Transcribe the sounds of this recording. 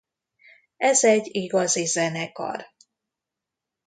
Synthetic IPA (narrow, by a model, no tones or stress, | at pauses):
ɛzɛɟiɡɒzizɛnɛkɒ̰r